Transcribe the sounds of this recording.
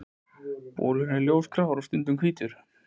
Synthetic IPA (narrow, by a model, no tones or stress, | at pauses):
po̰ːɾʏnɛɾljowskʰɾavaɾawst̪ʏnt̪ʏmkʰviːt̪ʏɾ̥